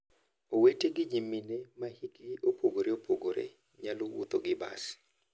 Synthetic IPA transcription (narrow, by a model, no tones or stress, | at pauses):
oweteɡɪɲimːinemahikɪopoɡoɾeopoɡoɾḛ | ɲalowṵt̪oɡɪba̰s